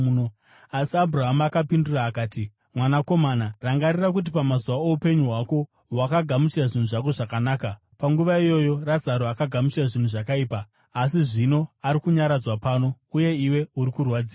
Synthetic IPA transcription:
no | asiabʱuraɦamaakapinduraːkaːti | mwanako̞manaraŋɡarirak̬ut̬ipamazuwaoupe̞ɲuɦwako̞ | wakaɡʱamut͡ʃiraʐin̤uʐako̞ʐakanaːka | paŋɡuʋaijo̞jo̞razaɾoakaɡʱamut͡ʃiraʐin̤uʐakaiːpaː | siʐino̞aɾikuɲaɾad͡zwapano̞ | uje̞iwe̞uɾikurwad͡ziːa

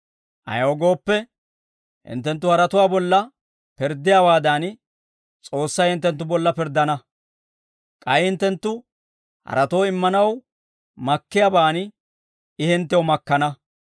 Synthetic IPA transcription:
ʔɐ̰jɐɔɡo̞ːpːɛ | hɪ̰nt̪ːɛnt̪̬ːʊhɐɾɐt̪ʊwaːbɔlːɐ | pɪɾd̪ɪjaːwaːd̪ɐn | t͡sʼo̞ːsːɐjhɪnt̪ːɛnt̪ːʊbɔlːɐpɪɾd̪ɐnɐ | kʼɐjhɪnt̪ːɛnt̪ːʊ | hɐ̰ɾɐt̪o̞ːɪmːɐnɐw | mɐkːɪjabaːn | ɪhɪnt̪ːɛwmɐkːɐnɐ

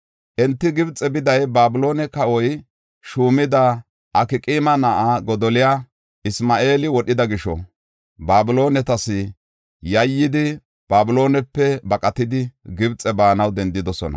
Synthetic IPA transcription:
ʔɛnt̪ːɪɡɪbt͡sʼɛbɪd̪ɐjbaːbʊlo̞ːnɛkɐʔɔj | ʃuːmɪd̪ɐ | ʔɐkɪkʼiːmɐnɐʔaɡɔd̪ɔlɪja | ʔɪsmaːʔe̞ːlɪwɔɗɪd̪ɐɡɪʃɔ̰ | baːbʊlo̞ːnɛt̪ɐsɪ | jɐjːɪd̪ɪ | b̥aːbʊlo̞ːnɛpːɛbɐkʼɐt̪ɪd̪ɪɡɪbt͡sʼɛbaːnɐwd̪ɛnd̪ɪd̪ɔsɔ̰nɐ̰

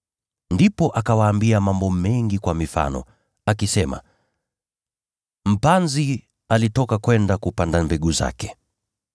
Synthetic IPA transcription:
ndipɔʔakawaːmbiamambɔmɛŋɡikwamifa̰nɔ̰ | akisɛma̰ | m̩panzi | alitɔkakwɛndakupandambɛɠuza̰kɛ̥

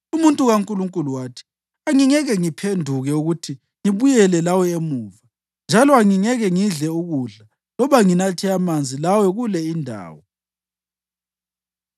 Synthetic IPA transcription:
umuntʼuɣaŋkʼuluŋkʼuluwaːtʰi̥ | aŋiŋɛɣɛŋipʰendʱuɣɛuɣutʰi | ŋiβujɛlɛlawɛemuːva | nd͡ʒʱalɔaŋiŋɛɣɛŋiɮɛuɣuɮa | lɔβaŋinatʰɛamand͡zʱilawɛɣulɛindʱa̰ːwɔ

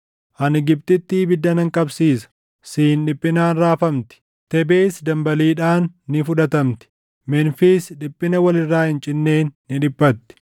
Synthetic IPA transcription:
ʔɐnɪɡɪb̚t̪ɪt̪ːiːbɪd̪ːɐnɐŋkʼɐbsiːsɐ̥ | siːnᶑɪpʼːɪnaːnɾaːfɐmt̪ɪ̥ | t̪ɛbeːsd̪ɐmbɐliːᶑaːnːɪfʊᶑɐt̪ɐmt̪ɪ̥ | mɛnfiːsᶑɪpʼːɪnɐwɐlɪrːaːhɪnt͡ʃʼɪnːe̞ːnːɪᶑɪbːɐt̪ːɪ̥

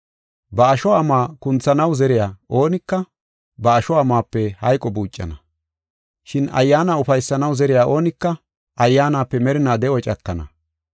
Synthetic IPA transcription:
bɐːʃɔːmaːkʊnt͡sːɐnɐwzɛɾɪjaːʔo̞ːnɪkːɐ | bɐːʃɔaːmaːpːɛhɐjkʼɔbuːt͡ʃʼːɐ̰nɐ | ʃɪnɐ̰jːaːnaːʊfɐjsːɐnɐwzɛɾɪjaːʔo̞ːnɪkːɐ | ʔɐjːaːnaːpːɛmɛɾɪnaːd̪ɛʔɔt͡ʃʼɐkːɐnɐ̰

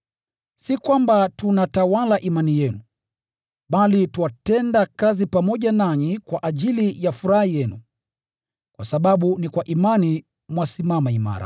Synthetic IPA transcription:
sikwambatunatawalaʔimanijɛnu | ɓalituwatɛndakazipamɔʄanaɲikwaʔaʄilijafuɾahijɛnu | kwasaɓaɓunikwaʔimani | mwasimamaima̰ɾa̰

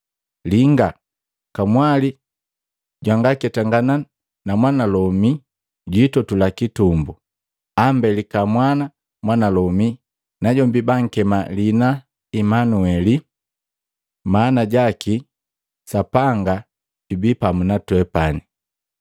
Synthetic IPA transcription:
liŋɡa | kamwali | ɟwaŋɡakɛtaŋɡana | namwanalɔmi | ɟuitɔtulakitumbu | ambɛlikamwana | mwanalɔmi | naɟɔmbibaŋ̩kɛmalina | imanuɛli | maːnaɟaki | sapaŋɡa | ɟubipamunatwɛpani

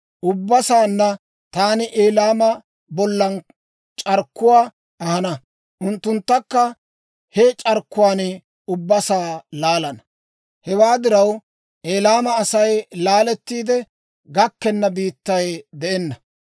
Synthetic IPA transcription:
ʔʊbːɐsaːnːɐ | t̪aːnɪʔeːlaːmɐ | bɔlːɐn | t͡ʃʼɐɾkːʊwaː | ɐhɐnɐ | ʔʊnt̪ːʊnt̪ːɐkːɐ | het͡ʃʼɐɾkːʊwaːn | ʊbːɐsaːlaːlɐnɐ | hɛwaːd̪ɪɾɐw | ʔeːlaːmɐːsɐjlaːlɛt̪ːiːd̪ɛ | ɡɐkːɛnːɐbiːt̪ːɐjd̪ɛɛnːɐ

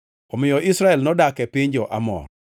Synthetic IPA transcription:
ɔmɪjɔʔɪsɾaɛlnɔdakɛpɪɲd͡ʒɔʔa̰mɔ̰r

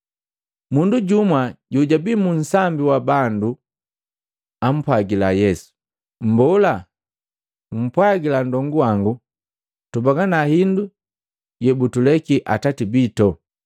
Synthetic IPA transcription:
munduɟumwaɟuɟabimun̩sambiwabandu | am̩pwaɡilajɛsu̥ | m̩bɔla | um̩pwaɡilandɔŋɡuwaŋɡu | tubaɡanahindu | jɛbutulɛkiʔa̰tatibitɔ

